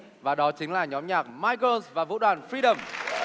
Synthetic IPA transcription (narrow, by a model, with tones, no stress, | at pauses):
vaː˨˩ɗɔ˨˦t͡ɕï˨˦ŋ̟laː˨˩ɲɔ˨˦mɲaː˨˩k̚maː˧jko˧nsvaː˨˩vṵ˧˥ɗwaː˨˩nfɹi˧ɗə˨˩m